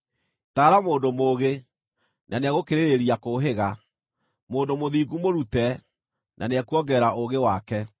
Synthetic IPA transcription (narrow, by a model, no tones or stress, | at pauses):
taːɾamoːndomoːɣe | naneaɣokeɾeɾeɾiakoɦeɣa | moːndomoðiːɡumoɾutɛ | nʔaneɛkuɔɡɛɾaoɣewakɛ